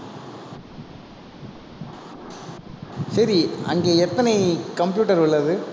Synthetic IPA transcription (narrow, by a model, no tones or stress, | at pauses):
sɐɾiʔɐ̰ŋɡeːɛt̪ːɐnɐɪkɐmpjuːʈɐɾʋɐɭːɐðɯ